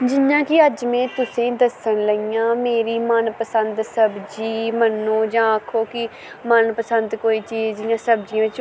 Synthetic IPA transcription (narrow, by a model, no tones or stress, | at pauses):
d͡ʒɪjãːkɪəd͡ʒmẽːt̪ʊsẽːd̪əsəɳləijãːmeːɾiːmənpəsənd̪səbd͡ʒiːmənːõːd͡ʒãːkʰːoːkɪ | mənpəsənd̪koːiːt͡ʃiːzd͡ʒɪjãːsəbd͡ʒiãːʋɪt͡ʃ